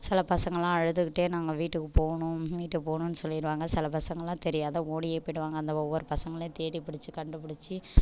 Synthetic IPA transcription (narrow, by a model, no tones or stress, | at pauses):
sɪlɐpɐsɐŋɡɐɭãːɐɻɯt̪ːɯkɪʈːeːnaːŋɡɐʋiːʈːɯkːɯpoːɳʊ̃ʋiːʈːɯkɯpoːɳʊ̃nːɯsɔlːɪɾɯʋaːŋɡɐsɪlɐpɐsɐŋɡɐɭːãːt̪ɛɾɪjaːðɐoːɽijeːpːɐɪɽɯʋaːŋɡɐnd̪ɐɔʋːɐɾɯpɐsɐŋɡɐɭẽːt̪eːɽipɪɽɪt͡ʃːɯkɐɳɖɯpɪɽɪt͡ʃːɯ